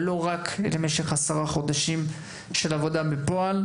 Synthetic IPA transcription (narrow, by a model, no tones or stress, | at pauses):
lo̞ʁakḛlemeʃeχasaʁaχo̞d̪aʃim | ʃe̞lavo̞dabepo̞al